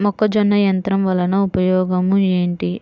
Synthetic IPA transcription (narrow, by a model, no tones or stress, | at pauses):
mɔkːɐd͡ʒɐnːɐjɐnt̪ɾɐmʋɐlɐnɐupɐjɔːɡɐmue̞ːɳʈi